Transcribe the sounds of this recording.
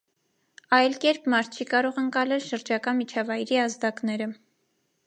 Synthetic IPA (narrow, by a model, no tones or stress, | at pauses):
ɑjlkɛɾpʰmɑɾt̪̚ʰt͡ʃʰikɑɾɔʁəŋkɑlɛlʃəɾd͡ʒɑkɑnmit͡ʃʰɑvɑjɾiɑzd̪ɑknɛɾə